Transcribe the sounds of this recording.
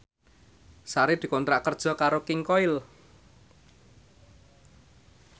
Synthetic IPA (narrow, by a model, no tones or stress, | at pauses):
saɾed̪̥i̤kɔnt̪ɾaʔkərd̥ʒ̥ɔ̤kaɾokɪŋkɔɪl